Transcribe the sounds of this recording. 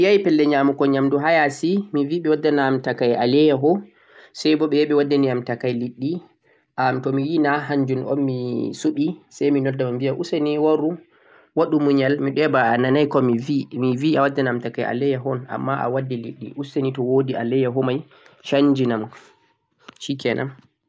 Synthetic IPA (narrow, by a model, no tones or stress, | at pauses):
mijajpɛlːɛɲamukɔɲamduɦajasimiviːɓɛwadːanamtakajʔa̰lɛjaɦɔ | sajbɔɓɛɓɛwadːaniamtakajliɗːi | ʔamtɔmijinaɦaɲd͡ʒunʔɔ̰nmisuɓisajminɔdːamambijaʔuseniwaɾu | waɗumuɲalmiɗɛbaːnanajkɔmivimiviawadːanaamtakajʔa̰lɛjaɦɔna̰mːaʔa̰wadːɛlḭɗːḭʔusenitɔwodialɛjaɦɔmaj | ʃaɲd͡ʒinam | ʃikɛnʔa̰m